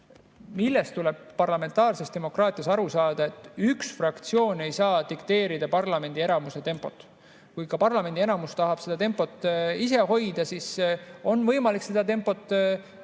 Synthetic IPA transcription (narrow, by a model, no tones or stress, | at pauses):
milːe̞st̪ule̞b̥ːɑrlɑme̞nt̪ːˑɑːrse̞st̪e̞mo̞krɑːt̪ˑijɑsɑɾusɑːd̪̥ɑe̞t̪ːˑyksfrɑkt̪sio̞ːne̞jsɑːt̪ikt̪e̞ːɾid̪̥ɑpɑrlɑme̞nd̪̥ie̞nɑmuse̞t̪e̞mpˑo̞t̪ːˑ | kujkɑpɑrlɑme̞nd̪ienɑmust̪ɑɦɑb̥se̞d̪̥ɑt̪e̞mpˑo̞t̪ːˑis̬e̞ɦo̞jd̪̥ɑsiso̞nvɤjmɑlikse̞d̪̥ɑt̪e̞mpˑo̞t̪ˑː